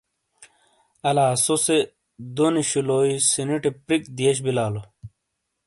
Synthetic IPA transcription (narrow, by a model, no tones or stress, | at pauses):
ɐlaːsose | d̪oniɕuloːisiniʈepɾikd̪ieɕ̬bilaːlo